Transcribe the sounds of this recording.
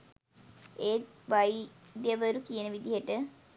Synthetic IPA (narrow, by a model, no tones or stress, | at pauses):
eːʋajid̪jəʋəɾukijənəʋid̪iɦəʈə